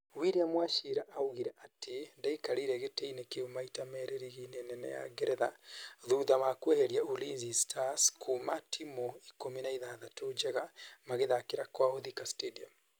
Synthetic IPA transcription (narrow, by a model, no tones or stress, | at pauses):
wiɾiamwaʃiɾaʔauɣiɾɛʔatʰendaikaɾiɾɛɣeteinekeomaitamɛɾeɾiɣinɛnɛnɛ̰ja̰ɡɛɾɛðaðuðamakwɛheɾjaolinzistʰaskʰumatʰimɔikominaiðaðatod͡ʒɛɣamaɣeðakeɾakwaoðikastediam